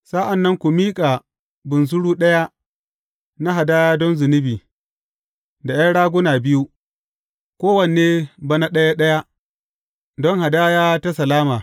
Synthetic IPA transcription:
sa˦ʔa˨nːɐ˦ŋkʷu˨miː˦kʼa˨ | bʊ˨ns̬ʊ˦ɽuː˦ɗɐ˦ja˦ | na˦ɦa˨daː˦jaː˦dɔ˦nzʊ˨nɪ˦biː˨ | da˨ja˦ɽaː˦ɡʷʊ˦na˨bɪ˦ju˦ | kʷoː˦wɐ˨n˨eː˦ba˨na˦ɗɐ˦ja˦ɗɐ˦ja˦ | dɔ˦ŋha˨daː˦jaː˦ta˦sɐ˨laː˦maː˨

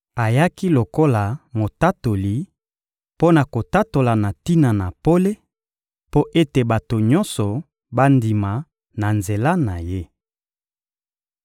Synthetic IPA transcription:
a˨ja˦ki˦lo˨ko˦la˨mo˨ta˦to˨li˨ | po˦na˨ko˨ta˦to˨la˨na˨ti˦na˨na˨po˦le˦ | po˦ʔe˦te˨ba˨to˨ɲɔ˦sɔ˨ | ba˦ndi˨ma˨ | na˨nze˨la˦na˨je˦

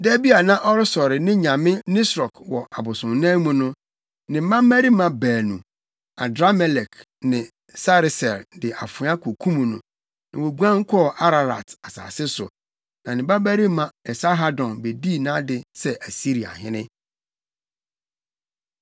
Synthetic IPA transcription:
dɛ˦bi˦a˨nã˦ʔɔ˦ɾɪ˦sɔ˨ɾɪ˨nɪ̃˦ɲã˨mɪ̃˦nɪ̃˦sɾɔ˨kwɔ˨ʔa˨bʊ˨sʊ̃˨nnã˦mũ˦nʊ̃˦ | nɪ̃˨m̩˦mã˦m̩ː˦æ˦ɾi˦mã˨bæː˨nũ˨ | a˨dɾa˦mɛ˨lɛ˨k | nɪ̃˨ | sa˦ɾɪ˨sɛ˨ldɪ˨ʔa˨fʊ̃˨˦a˦kʷʰo˨kʰũ˦mũ˨nʊ̰̃˨ | nɪ̃˨wo˨ɡʷã˦ŋ̩˦kʷʰɔ˦˨ʔa˦ɾa˨ɾa̰˨ta˨sa̰ː˨sɪ˦sʊ̰˨ | nã˨nɪ̃˨ba˦bæ˦ɾi˦mã˨ɛ˨sa˦ɦa˦dɔ̃˨nbe˨di˦˨nãː˦dɪ˨sɛ˦ʔæ˨si˦ɾi˨a̰˨hɪ̰̃˦nɪ̰̃˦

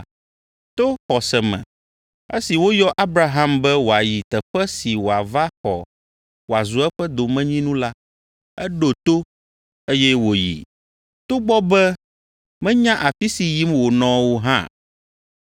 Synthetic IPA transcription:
t̪o˦xɔ˨sɛ˨mɛ̰̃˨ | ḛ˦si˨wo˦jɔ˦ʔa˦bɾa˦ɦa˦mbɛ˦wo˨a˨ji˨t̪ɛ˨ɸɛ˦si˨wo˨a˨va˦xɔ̰˨ | wo˨a˨zu˨˦ɛ˦ɸɛ˦d̪o˨mɛ̃˦ɲĩ˦nũ˦la˦ | ɛ˦ɖo˨t̪o˦ | e˦jɛ˦wo˨jḭ˨ | t̪o˦ɡ͡bɔ˦bɛ˦ | mɛ̃˦ɲã˦ʔa˨fi˦si˨ji˦mwo˨nɔ̃˨wo˦ɦã̰˦

